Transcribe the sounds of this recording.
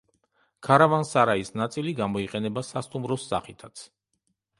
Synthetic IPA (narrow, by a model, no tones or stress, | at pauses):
kʰaɾavansaɾaisnat̪sʼiliɡamɔiqʼɛnɛbasast̪ʼumɾɔsːa̰χit̪ʰat̪sʰ